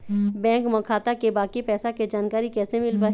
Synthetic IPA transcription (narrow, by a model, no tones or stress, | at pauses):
bɛ̃ːŋkmɐkʰaːt̪akebaːkipɛːsaked͡ʒaːnkaːɾikɛːsemɪlbaː